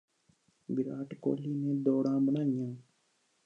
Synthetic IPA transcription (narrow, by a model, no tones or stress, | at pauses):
bɪɾaːʈko̰ːlːiːnẽːd̪ɔːɽãːbənaːɪjãː